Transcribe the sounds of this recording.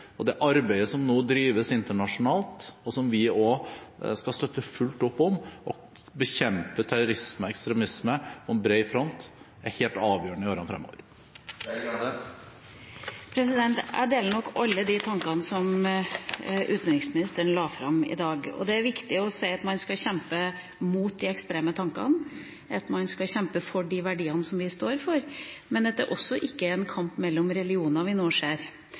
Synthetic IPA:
ɔd̪ɛʔɑɾbæɪəsɔmnoːd̪ɾiːʋəsɪnt̪əɳɑʂʊnɑːlt̪ɔsɔmʋɪoskɑst̪œt̪ːəfʉlt̪ɔpːɔmʔɔ | bəçɛmpət̪ʰæɾʊɾɪsməɛkst̪ɾɛmɪsməpʰɔɛnbɾeɪfɾɔnt̪ | æɾheːlt̪ɑːʋjøːəɳəɪoːɾɑnfɾɛ̰mːo̰ːʋəɾ | pʰɾɛsɪd̪ɛnt̪æ̰ɖ̪eːlənɔkːɑlːəd̪ɪt̪ʰɑŋkɑnəsɔm | ʔʉːt̪nɾɪksmɪnɪst̪əɳəlɑːfɾɑmɪ̰d̪ɑːɡɔ̰d̪ɛæɾʋɪkt̪ɪɔsæɪɑt̪mɑnskɑɕɛmpə | muːt̪̚d̪ɪɛkst̪ɾeːmət̪ʰɑŋkɑ̰n | ʔɑt̪mɑnskɑɕɛmpəfɔɖiʋæɖiːəɑnəsɔmʋɪst̪oːɾfɔɾmɛnd̪ɛt̪ːə̰ɾʔɔsːɔʔɪkːəɾɛnkʰɑmpmɛlːɔmɾɛlɪuːnɑʋɪnoːʂeːɾ

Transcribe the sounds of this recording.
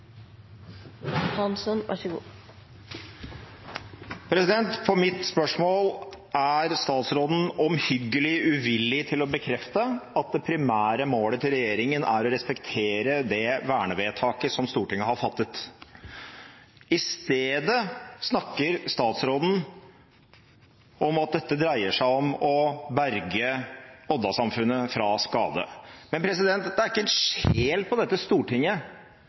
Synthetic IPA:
hɑnsɔnʋɑ̰ʂəɡṵː | pʰɾɛsɪd̪ɛnt̪pʰɔmɪt̪spœʂmoːl | æɾst̪ɑːt̪sɾoːd̪n̩ɔmhʏɡːəlɪʉʋɪlːɪt̪ʰɪlɔbəkʰɾɛft̪əɑt̪̚d̪ɛpʰɾɪmæːɾəmoːlət̪ʰɪlɾɛjeːɾɪŋənæ̰ɾɔɾɛspɛkt̪ʰeːɾəd̪ɛʋæːɳəʋeːt̪ʰɑːkəsɔmst̪uːʈɪŋːəɦhɑfɑt̪ːət̪ | ɪst̪eːd̪əsnɑkːəɾst̪ɑːt̪sɾoːd̪n̩ | ɔmɑt̪̚d̪ɛt̪ːəd̪ɾæɪəʂæɪɔmɔbæɾɡəɔd̪ɑsɑmfʉnːəfɾɑskɑ̰ːd̪ə̰mɛnpʰɾɛsɪd̪ɛnt̪d̪ɛæɾɪkːəɛnʂeːlpɔd̪ɛt̪ːəst̪uːʈɪŋːə

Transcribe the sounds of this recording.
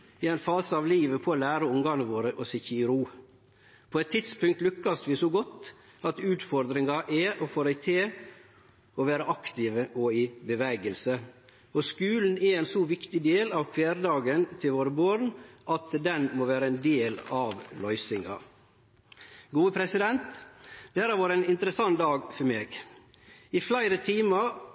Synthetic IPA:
ɪɛɪnfɑːsəɑʋliːʋəpʰɔːlæːɾəʊŋɡɑnəʋoːɾəʔɔsɪçəɪɾuː | pʰoːɛt̪ʰːɪt̪spʉŋkt̪lʉkːɑsʋɪsɔɡɔt̪ːɑt̪ʉːt̪fɔɾd̪ɾɪŋɑʔɛʔofoːɾæɪt̪ʰeː | ɔʋæːɾəʔɑkt̪ɪʋəʔɔɪbəʋɛːɡəlsə | ɔskʉːln̩ɛɾɛnsɔʋɪkt̪ɪd̪eːlɑʋkʰʋeːɾd̪ɑːɡənt̪ʰɪlʋoːɾəboːɾnʔɑt̪d̪ɛnmoːʋæːɾəɛnd̪eːlɑʋlœʏsɪŋɑ̰ | ɡuːəpʰɾɛsɪd̪ɛnt̪d̪æɾæɾʋɑːɾəæɪnɪnt̪əɾəsɑŋːd̪ɑːɡfɔɾmeːɡ | ɪflæɪɾət̪ʰiːmɑ

